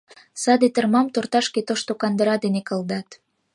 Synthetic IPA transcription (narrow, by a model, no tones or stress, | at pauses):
sɑd̪et̪ərmɑmt̪ort̪ɑʃket̪oʃt̪okɑnd̪əɾɑd̪enekə̆ld̪ɑt̪